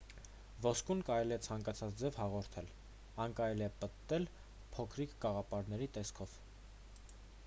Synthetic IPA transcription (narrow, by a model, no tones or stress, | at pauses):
vɔskunkɑɾɛliɛt͡sʰɑŋkɑt͡sʰɑt͡sd͡zɛvhɑʁɔɾt̪ʰɛl | ɑnkɑɾɛliɛpəɛl | pʰɔkʰɾikɡɑʁɑpɑɾnɛɾit̪ɛskʰɔv̥